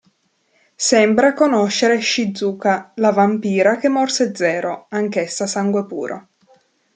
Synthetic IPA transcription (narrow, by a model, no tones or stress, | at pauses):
sɛmbɾakonoʃːeɾeʃid̪zuːkalavampiːɾakemːɔrsed̪zɛːɾoaŋkesːasaŋɡwepṵːɾʔo̰